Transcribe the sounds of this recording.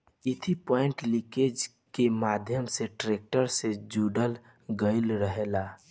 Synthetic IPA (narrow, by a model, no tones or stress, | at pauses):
ɪt̪ʰipɔɪ̃ɳʈliked͡ʒ | kemad̪ʱjəmseʈɾek̚ʈəɾsed͡ʒuɖəl | ɡəɪlɾəɦela